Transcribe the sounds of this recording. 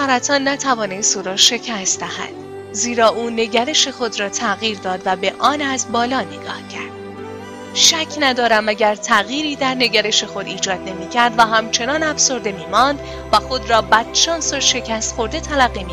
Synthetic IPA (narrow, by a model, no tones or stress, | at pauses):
æɾæt̪ʰɒːnːæt̪ʰævɒːnest̪uːɾɒːʃe̞cʰæst̪d̪æhæ̰d̪̥ | ziːɾɒːʔuːne̞ɟæɾe̞ʃe̞xo̞d̪ɾɒːt̪ʰæɣiːɾd̪ɒːd̪væbe̞ʔɒːnæzbɒːlɒːneɡɒ̰ːhcʰæɾd̪̥ | ʃæcʰnæd̪ɒːɾæmæɟæɾt̪ʰæɣjiːɾiːd̪æɾne̞ɡæɾe̞ʃe̞xo̞d̪iːd͡ʒɒːd̪ne̞miːcʰæɾd̪væɦæmt͡ʃʰe̞nɒːnæfso̞ɾd̪e̞miːmɒnd̪ | væxod̪ɾɒːbæd̪t͡ʃʰɒːnsoʃe̞cʰæst̪xo̞ɾd̪e̞t̪ʰælæɣːimi